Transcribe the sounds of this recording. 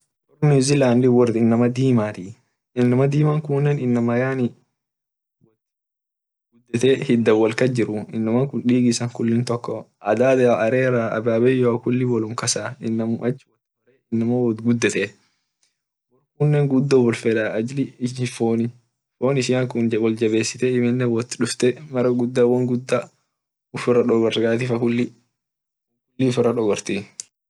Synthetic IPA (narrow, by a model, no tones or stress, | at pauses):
wɔrnɪzɪlaːnd̪ɪwɔrɪnːɐmɐd̪iːmaːt̪iː | ɪnːɐmɐd̪iːmaŋkʊnːɛnɪnːɐmɐjaːnɪ | wɔ | ɡʊd̪ːɛt̪ɛːhɪd̪ːɐwːɐlkɐd͡ʒɪɾʊɪnːɐmɐkʊnᶑiːɡɪsɐŋkʊlːɪnt̪ɔkːɔɐd̪aːd̪ɐɾeːɾaɐ̰baːbɛːjokʊlːɪwɔlʊmkɐsaːɪnːɐmʊʔɐt͡ʃːɪwɔt̪ːɪɐɾɛɪnːɐmoːwɔt̪ɡʊd̪ːɛt̪ɛ | wɔkʊnːɛːŋɡʊd̪ːoːwɔlfɛᶑ̪aːɐd͡ʒlɪɪfoːnɪ | foːnɪsɪjaŋkʊnd͡ʒɐwɔld͡ʒɐbe̞ːsːɪ̥t̪ɛɪmɪnːɛwɔt̪ːɪᶑʊft̪ɛmɐɾɐɡʊd̪ːaːwɔŋɡʊd̪ːa | ʊfʊrɐᶑɔɡɔɾɡaːt̪ɪfɐkʊlːɪ | kʊlːiʊfʊɾɐᶑɔɡɔɾt̪i